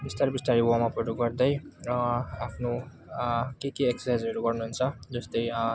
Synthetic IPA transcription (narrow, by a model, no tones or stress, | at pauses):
bist̪aɾbist̪aɾiwamapʌɾuɡʌrd̪ʌjʌapʰno | kekeeksajd͡zɦʌɾuɡʌrnuɦunt͡sʰʌd͡zʌst̪ʌj